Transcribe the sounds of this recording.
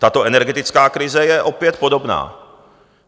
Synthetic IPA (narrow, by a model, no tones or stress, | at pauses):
t̪at̪oʔɛnɛɾɡɛt̪ɪt͡skaːkɾɪzɛjɛʔopjɛt̪̚podobna̰ː